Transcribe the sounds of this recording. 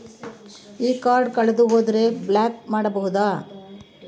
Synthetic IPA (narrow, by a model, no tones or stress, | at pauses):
iːkaːɾɖkɐɭed̪uɦoːd̪ɐɾe̞blaːkmaːɽɐbɐɦud̪aː